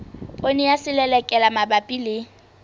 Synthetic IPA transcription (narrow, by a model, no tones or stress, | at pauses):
pʼonijasɪlɛlɛkʼɛlamabapʼilɪ